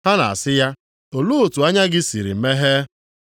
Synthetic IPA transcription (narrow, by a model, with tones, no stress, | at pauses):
ha˦na̰˨a̰˨sɪ˦ja˦ | o˨lu˦o˨tu˨a˦ɲa˦ɡɪ˦si˨ɾḭ˨m̩˨me˦ɦe˦